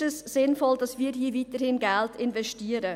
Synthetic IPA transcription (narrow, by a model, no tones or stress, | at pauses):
ɛsːɪnfɔldɑsmiːɾɦiːəviːtəɾhɪnɡɛltʰɪnvɛʃtiəɾə